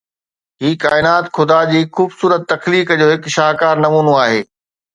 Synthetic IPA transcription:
ɦiːkaːɪnaːt̪xʊd̪ad͡ʑiːxuːbsuːɾət̪ːɐxliːkd͡ʑoːɦɪkʃaːɦkaːɾnɐmuːnoaːɦeː

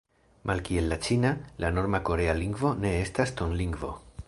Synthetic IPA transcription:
mʔalkie̞lːat͡ʃinalʔano̞ɾmako̞ɾe̞aliŋɡvo̞ne̞e̞stasto̞nliŋɡvo̞̰

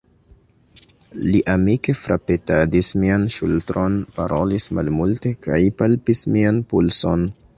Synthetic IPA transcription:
liʔamike̞fɾapetadismianʃṵltɾo̞npa̰ɾʔo̞lismalmulte̞kajpalpismianpulso̞n

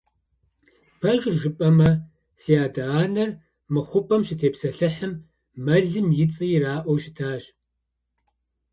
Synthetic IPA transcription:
bʰɐʒrʒɨpʼɐmɐ | sijaːdaaːnɐr | mɨχʷʊpʼɐmʃɪtʰeːpsɐɬɨħɨmː | ɐɮɨmjɪt͡sʼɨjɪraːʔʷɔwʃɪ̥tʰaːɕ

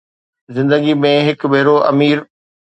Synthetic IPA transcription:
zɪ̃nd̪əɡimẽɦɪkbʱeːɾoʔɐ̰miːɾ

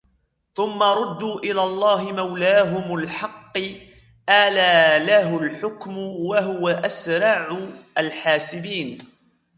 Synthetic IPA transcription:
θʊmːaɾˤʊd̪ːuːʔɪlaːlˤːɑːɦɪmawlaːɦʊmalħɑqː | ʔalaːlaɦʊlħʊkmʊwaɦʊwaʔasɾˤɑʕʊʔalħaːsɪbiːn

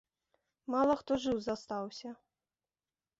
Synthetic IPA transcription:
malˠɐxt̪ɔʐɨwzast̪awsʲɐ

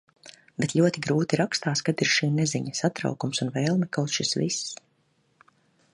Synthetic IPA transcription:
bet̪lʲuɔt̪iɡɾuːt̪iɾakst̪aːskad̪iɾʃiːnɛziɲəsat̪ɾa̰wkumsunvɛːlˠmɛkawt̪ʃisvis

